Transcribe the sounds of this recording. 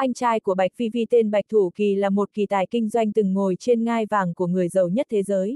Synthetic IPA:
ʔa˧jŋ̟t͡ɕaː˧jku˧˩əɓa˨˩jk̚vi˧vi˧t̪e˧nɓa˨˩jk̚t̪ʰu˧˩ki˨˩laː˨˩mo˨˩t̚ki˨˩t̪aː˧˩jkï˧ŋ̟zwa˧jŋ̟t̪ɨ˨˩ŋːo˨˩jt͡ɕe˧nŋaː˧jvaː˨˩ŋku˧˩əŋɨ˨˩əjzə˨˩wɲə˦˥t̚t̪ʰe˨˦zəː˨˦j

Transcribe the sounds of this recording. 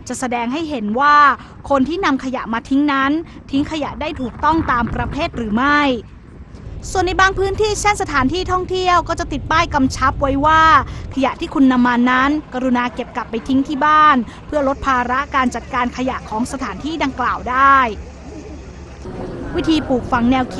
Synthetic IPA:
t͡ɕa˨˩ʔsa˧dɛː˧ŋɦa˥˩jɦe˩˦nwaː˥˩ | kʰo˧nt̪ʰiː˥˩na˧mkʰa˧ja̰˨˩ʔmaː˧t̪ʰi˦˥ŋna˦˥n | t̪ʰi˦˥ŋkʰa˧ja˨˩ʔdaː˥˩jt̪ʰuː˨˩k̚t̪ɔ˥˩ŋt̪aː˧mpɾa˧pʰeː˥˩t̪̚ɾɯː˩˦ma˥˩j | su˨˩ənːa˧jbaː˧ŋpʰɯː˦˥nt̪ʰiː˥˩t͡ɕʰe˥˩nsa˧t̪ʰaː˩˦nt̪ʰiː˥˩t̪ʰɔ˥˩ŋt̪ʰi˥˩əwkɔː˥˩t͡ɕa˨˩ʔt̪i˨˩t̪̚paː˥˩jka˧mt͡ɕʰa˦˥p̚wa˦˥jwaː˥˩kʰa˧ja˨˩ʔt̪ʰiː˥˩kʰu˧nːa˧mːa˧nːa˦˥nka˧ɾu˧naː˧ke˨˩p̚ka˨˩pːa˧jt̪ʰi˦˥ŋt̪ʰiː˥˩baː˥˩n | pʰɯ˥˩əɾo˦˥t̪̚pʰaː˧ɾa˦˥ʔkaː˧nt͡ɕa˨˩t̪̚kaː˧nkʰa˧ja˨˩ʔkʰɔː˩˦ŋsa˧t̪ʰaː˩˦nt̪ʰiː˥˩da˧ŋklaː˨˩wdaː˥˩j | wi˦˥t̪ʰiː˧puː˨˩k̚fa˧ŋnɛː˧wkʰ

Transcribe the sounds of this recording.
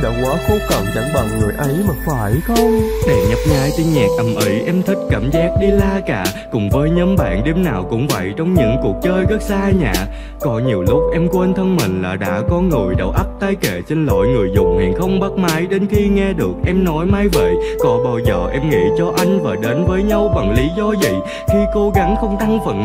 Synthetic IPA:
ɗa̰ː˧˩wkwaː˨˦xo˨˦kə˨˩nt͡ɕa̰˧˩ŋɓa˨˩ŋŋɨ˨˩əjʔə˨˦jmaː˨˩faː˧˩jxə˧wɗɛ˨˩ɲə˦˥p̚ɲaː˨˦jt͡ɕi˧nɲɛ˨˩k̚ʔə˨˩mʔi˨˦ʔɛ˧mt̪ʰï˦˥k̟̚kaː˧˩mzaː˦˥k̚ɗi˧laː˧kaː˧˩ | kʊ˨˩ŋ͡mvəː˨˦jɲəː˨˦mɓa̰ː˧˨nɗe˨˦mnaː˨˩wkʊ̰˧˥ŋ͡mvə̰˧˨jt͡ɕɔ˧wŋ͡mɲɨ̰˧˥ŋku˨˩ək̚t͡ɕəː˧jɣə˦˥t̚zaː˧ɲa̰ː˧˨ | kɔ˨˦ɲi˨˩əwlʊ˦˥k͡p̚ʔɛ˧mkwe˧nt̪ʰə˧nmï˨˩ŋ̟laː˨˩ɗa̰ː˧˥kɔ˨˦ŋo˨˩jɗə̰˨˩wʔa˦˥p̚t̪aː˧jke˧˩t͡ɕe˧nlo̰˧˨jŋɨ˨˩əjzʊ̰˨˩ŋ͡mhḭ˨˩nxə˧wŋ͡mɓa˦˥k̚maː˨˦jɗe˨˦nxi˧ŋɛ˧ɗɨ˨˩ək̚ʔɛ˧mnɔ˨˦jmaː˧jvḛ˧˨jkɔ˨˩ɓaː˧˩wzəː˨˩ʔɛ˧mŋḭ˧˥t͡ɕɔ˧ʔa˧jŋ̟vaː˨˩ɗe˨˦nvəː˨˦jɲa˧wɓa˨˩ŋli˨˦zɔ˧zḭ˧˨ | xi˧ko˨˧˦ɣa˨˦ŋxə˧wŋ͡mt̪a˧ŋfə̰˧˨˩n

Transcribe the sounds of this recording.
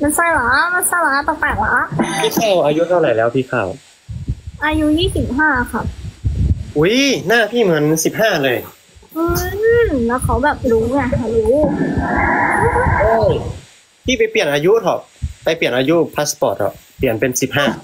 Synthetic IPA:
ma˧˥˩nsa˧˩jla˨˦ma˧˥nsa˧˥˩laː˧˦˥t̪a˧˨˩p̪ɛː˨˩k̚la˨˦˥pʰiː˥˩kʰaː˥˩wʔaː˧ju˦˥t̪ʰa˧˩wɾa˨˩jlɛː˦˥wpʰiː˥˩kʰaː˧˩w | ʔaː˧ju˦˥jiː˥˩si˨˩p̚ɦaː˥˩˧xa˦˥˩p̚ | ʔu˦˥jnaː˥˩pʰiː˥˩mɯ˨˩˦ə˦n˨si˨˩p̚ɦaː˥˩lɤː˧j | ʔɯː˧lɛ˦˥wkʰa˧˦˥wbɛː˨˩p̚duː˧˥ŋa˧˩ʔa˧˩ju˦˥ | ʔoː˧˩ | p̪ʰiː˥˩pa˧jpli˨˩ənʔaː˧ju˦˥t̪ʰɔ˧˩k̚pa˧jpli˨˩ənʔaː˧ju˦˥pʰa˦˥spɔː˨˩t̪̚ʰɔ̰ː˨˩ | pli˨˩ənpe˧nsi˨˩p̚ɦaː˥˩

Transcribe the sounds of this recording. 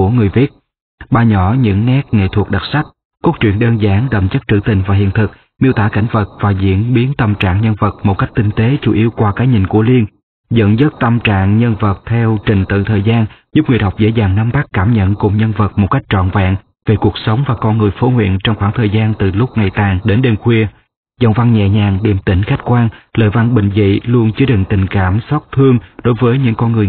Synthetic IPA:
u˧˩əŋɨ˨˩əjvi˦˥ət̚ | ɓaː˧ɲɔ˧˩ɲɨ̰˧˥ŋːɛ˦˥k̚ŋḛ˧˨t̪ʰu˨˩k̚ɗa˨˩t̚sa˦˥k̚ | ku˦˥k̚t͡ɕwḭ˧˨ənɗəː˧nzaː˨˦ŋɗə̰˧˨˩mt͡ɕə˦˥k̚t͡ɕɨ̰˧˩t̪ï˨˩ŋ̟vaː˨˩ɦḭ˧˨ənt̪ʰɨ˨˩k̚ | mi˧əwt̪aː˧˩ka˧˩jŋ̟və˨˩t̚vaː˨˩zḭ˧˥ənɓi˨˦ənt̪ə˧mt͡ɕa̰ː˧˨ŋɲə˧nvə˨˩t̚mo˨˩t̚ka˦˥jk̚t̪ï˧ŋ̟t̪e˨˦t͡ɕu˧˩ʔi˨˦əwkwaː˧kaː˨˦jɲï˧˩ŋ̟ku˧˩əli˧ən | zə̰˧˨nzə˦˥t̚t̪ə˧mt͡ɕa̰ː˧˨ŋɲə˧nvə˨˩t̚t̪ʰɛ˧wt͡ɕï˨˩ŋ̟t̪ɨ̰˧˨t̪ʰəː˨˩jzaː˧nzu˦˥ŋḭ˧˨˩ɗə˨˩wk͡p̚zḛ˧˥zaː˨˩ŋna˨˦mɓaː˦˥kkːaː˧˩mɲə̰˧˨nkʊ˨˩ŋ͡mɲə˧nvə˨˩t̚mo˨˩ka˦˥jk̟̚t͡ɕɔ̰˧˨nva̰ː˧˨ŋ | ve˨˩ku˨˩ək̚sə˨˦wŋ͡mvaː˨˩kɔ˧nŋɨ˨˩əjfo˨˦hwḭ˧˨ənt͡ɕɔ˧wŋ͡mxwaː˧˩ŋt̪ʰəː˨˩jzaː˧nt̪ɨ˨˩lʊ˦˥k͡p̚ŋa˨˩jt̪aː˨˩ŋɗe˨˦nɗe˧mxwi˧ə | zə̰˧˨wŋ͡mva˧ŋɲɛ̰˧˨ɲaː˨˩ŋɗi˨˩mt̪ï˧˩ŋ̟xa˦˥jk̟̚kwaː˧ŋlə̰ː˧˨jva˧nɓï˨˩ŋ̟vḭ˧˨lu˧ənt͡ɕɨ˨˧˦əɗḭ˧˨ŋ̟t̪ï˨˩ŋ̟kaː˧˩msa˦˥t̚t̪ʰɨ˧əŋɗo˨˦jvəː˨˦jɲɨ̰˧˥ŋkɔ˧nŋɨ˨˩əj

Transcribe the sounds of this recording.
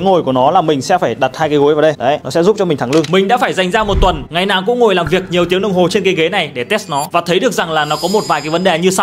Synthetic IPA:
ŋo˨˩jku˧˩ənɔ˨˦laː˨˩mï˨˩ŋ̟sɛ̰˧˥faː˧˩jɗa˨˩t̚haː˧jkaː˨˦ɣu˨˦jvaː˨˩ɗjɗə˨˦nɔ˨˦sɛ̰˧˥zu˦˥p̚t͡ɕɔ˧mi˨˩ŋ̟t̪ʰa˧˩ŋlɨ˧əŋmï˨˩ŋ̟ɗa̰˧˥faː˧˩jza˨˩jŋ̟zaː˧mo˨˩t̚t̪wə˨˩nŋa˨˩jnaː˨˩wkʊ̰˧˥ŋ͡mŋo˨˩jlaː˨˩mvi˨˩ək̚ɲi˨˩əwt̪i˨˦əŋnə˧wŋ͡mɦo˨˩t͡ɕe˧nke˨˦ɣe˨˦na˨˩jɗe˧˩t̪e˦˥s̚nɔ˨˦vaː˨˩t̪ʰə˨˦jɗɨ˨˩ək̚za˨˩ŋlaː˨˩nɔ˨˦kɔ˨˦mo˨˩t̚vaː˨˩jkaː˨˦jvə˨˦nɗe˨˩ɲɨ˧sa˧w

